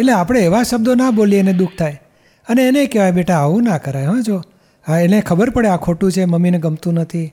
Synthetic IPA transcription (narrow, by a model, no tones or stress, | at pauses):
eleapəɽ̃eːʋaʃəb̚d̪onabolieened̪uk̚ʰt̪ʰaj | əneːnekeʋajbeʈaːʋũnakəɾajɦəʋẽd͡ʒo | aenekʰəbəɾpəɽeakʰoʈũt͡ʃʰeməminɡəmt̪ũnət̪ʰi